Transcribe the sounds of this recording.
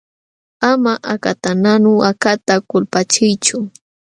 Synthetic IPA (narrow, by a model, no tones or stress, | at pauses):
amaʔakat̪ananʊakat̪akʊlpat͡ʃɪjt͡ʃʊ